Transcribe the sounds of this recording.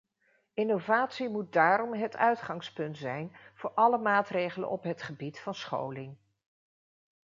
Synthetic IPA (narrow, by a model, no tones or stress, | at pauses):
ɪnowvaːtsimut̚daːɾɔmɦətʰœɥtχɑŋspɵntzɛjnv̥ʊːɹʔɑləmaːtrejχələ̰nɔpɦətχəbitfɑnsχo̰wlɪŋ